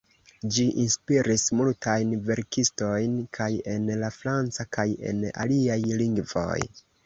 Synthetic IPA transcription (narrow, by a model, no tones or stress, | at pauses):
d͡ʒiʔinspiɾismultʰajnve̞ɾkisto̞jnkʰaje̞nlafɾant͡sakaje̞̰na̰liajliŋɡvo̞̰j